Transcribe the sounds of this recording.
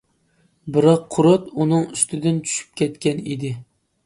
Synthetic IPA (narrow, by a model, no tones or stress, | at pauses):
bɨɾɑqʰːʊɾot̪unɨŋyst̪ʰɪd̪ɪnt͡ʃʰy̥ʃy̥p̚kʲʰɛt̪kʲɛnid̪ɪ